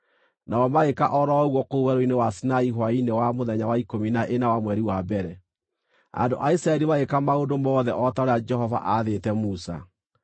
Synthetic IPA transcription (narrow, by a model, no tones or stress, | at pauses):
naɔmaɣeka̰ʔɔɾɔɣwɔkouwɛɾoinewasinaiɦwainewamoðɛɲawaikominaʔenawamwɛɾiwabɛɾɛ | a̰ndo̰ʔaisɾaɛɾimaɣekamaodomɔːðɛʔɔtaoɾead͡ʒɛhɔva̰ʔaðetɛmusa̰